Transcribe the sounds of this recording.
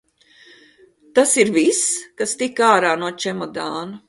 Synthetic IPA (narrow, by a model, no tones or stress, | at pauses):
t̪asiɾviskast̪ikaːɾaːnuɔt͡ʃɛmɔd̪aːnu